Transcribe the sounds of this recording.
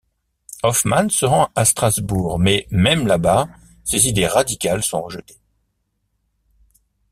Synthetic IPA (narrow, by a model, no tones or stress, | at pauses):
ɔfmansəʁɑ̃ast̪χazbuːʁmɛmɛmlaba | sezid̪eʁad̪ikʲalsɔ̃ʁəʒət̪e̥